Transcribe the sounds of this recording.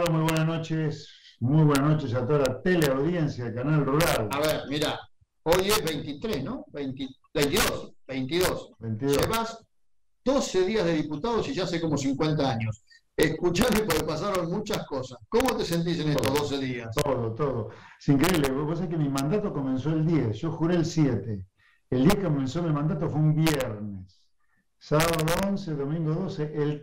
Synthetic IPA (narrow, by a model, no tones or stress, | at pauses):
aomujβwenasnot͡ʃesmujβwenasno̞t͡ʃes̬at̪oðalat̪eleawðjensjaðekanalruɾalaβeɾmiɾa | o̞jeɦβejnt̪it̪ɾesno̞bejnt̪ibejnt̪iðosbejnt̪iðosbejnt̪iðoeβas | d̪o̞seðiazðe̞ðiput̪að̞osiʒaseko̞mo̞s̬iŋkwe̞nt̪̬aaɲo̞s | ehkut͡ʃamepoɾepas̬aɾonmut͡ʃaskosaskomot̪ese̞nt̪̬is̬enest̪oɦðoseðiast̪oðot̪oðoesiŋkɾeiβleββos̬ekemimãnd̪at̪oko̞menso̞eld̪jiesʒo̞xuɾeːlsjet̪e | eld̪iakekomẽnsoðelmãnd̪at̪ofweumbjeɾnesː | aβaðoonseðomĩŋɡoðo̞seʔel